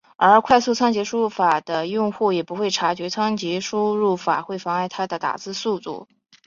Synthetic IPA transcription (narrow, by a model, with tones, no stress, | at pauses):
ə˞˧˥kʰwa˥˧ɪsu˥˩t͡sʰɑ˥ŋt͡ɕjɛ˧˥ʂu˥fa˨˩d̪̥ə˦jʊ˥˧ŋxu˥˩jɛ˨˩pu˧˥xwe˥˩ɪʈ͡ʂʰa˧˥t͡ɕɥɛ˧˥t͡sʰɑ˥ŋt͡ɕɛ˧˥ʂu˥ɻu˥˩fa̰˨˩xwe˥˩ɪfɑ˧˥ŋa˥˩ɪt̪ʰa˥d̪ə˨t̪a̰˨˩t͡sɹ̩˥˧su˥˧t̪ṵ˥˩